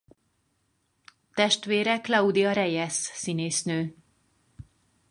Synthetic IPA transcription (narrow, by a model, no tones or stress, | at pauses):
t̪ɛʃt̪ʋeːɾɛklɒud̪iɒɾɛjɛsːineːsnøː